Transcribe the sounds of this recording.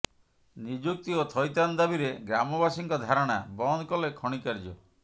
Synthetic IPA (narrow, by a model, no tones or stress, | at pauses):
nid͡ʒuk̚t̪iot̪ʰɔjt̪and̪abiɾeɡɾamɔbasiŋkɔd̪ʱaɾɔɽ̃abɔnkɔlekʰɔɽ̃ikaɾd͡ʒɔ